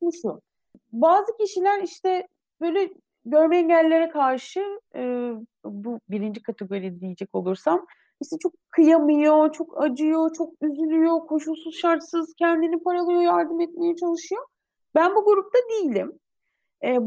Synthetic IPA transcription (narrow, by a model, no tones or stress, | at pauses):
mʃu | baːzɯcʰiʃilʲæɾiʃt̪ɛ | b̥ø̞ːjlʲɛ | ɟø̞ɾmɛɛɲɟælʲːe̞ɾɛkʰaɾʃɯɯːbubiɾind͡ʒikʰat̪ʰeɡo̞ɾijd̪ɛd̪ijed͡ʒɛco̞lˠuɾsam | iʃɛt͡ʃʰo̞kʰːɯjamɯjo̞t͡ʃʰo̞kʰad͡ʒɯjo̞t͡ʃʰo̞k̚yzylʲyjo̞kʰo̞ʃulˠsuz̥ʃaɾt̪sɯz̥cʰɛnd̪inipaɾalˠɯjo̞jaɾd̪ɯmɛt̪me̞jɛt͡ʃʰalˠɯʃɯjo̞ | bænbuɡuɾup̚t̪ʰad̪ijilʲim | ɛː